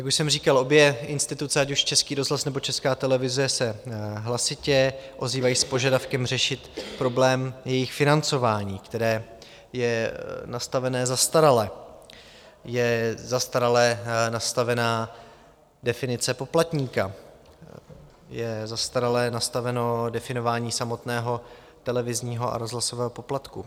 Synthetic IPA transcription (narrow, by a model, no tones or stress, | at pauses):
jakuʃsɛmriːkalo̞bjɛɪnst̪ɪt̪ut͡sɛacuʃt͡ʃɛskiːɾo̞zɦlasnɛbo̞t͡ʃɛskaːt̪ɛlɛvɪzɛsɛɦlasɪcɛʔo̞ziːvajiːspo̞ʒadafkɛmr̝ɛʃɪt̪pɾo̞blɛːmjɛjɪxfɪnant͡so̞vaːɲiːkt̪ɛɾɛː | jɛnast̪avɛnɛːzast̪aɾalɛ | jɛzast̪aɾalɛnast̪avɛnaː | dɛfɪnɪt͡sɛpo̞plat̪ɲiːka | jɛzast̪aɾalɛnast̪avɛno̞dɛfɪno̞vaːɲiːsamo̞t̪nɛːɦo̞ | t̪ɛlɛvɪzɲiːɦoʔa̰ɾo̞zɦlasovɛːɦo̞po̞plat̪ku